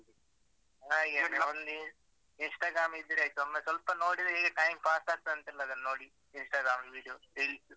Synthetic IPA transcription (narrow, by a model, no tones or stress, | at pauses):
aːjɡɐnɐnd̪i | insʈaːɡɾaːmid̪ːɐɾɐjt̪uɐmːɐsɐlpɐnoːɽid̪eːɡɐʈɐjmpaːsʈaːst̪ɐnt̪ilːɐd̪ɐnnoːɽi | insʈaːɡɾaːmʋiːɽijoːɾiːlis